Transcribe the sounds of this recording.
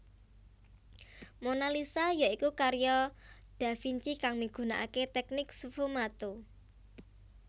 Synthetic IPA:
monalisajaikukaɾjɔɖ̥a̤fiɲt͡ʃikaŋmiɡ̥ṳnaʔaket̪ɛk̚nɪksufumat̪u

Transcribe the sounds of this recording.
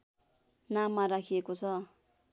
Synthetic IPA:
namːaɾakʰiekot͡sʰʌ

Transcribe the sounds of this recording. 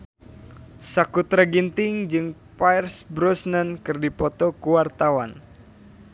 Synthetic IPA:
sakut̪ɾaɡint̪ɪŋd͡ʒɨŋpajrsbɾɔsnənkɨrdipɔt̪ɔkuwart̪awan

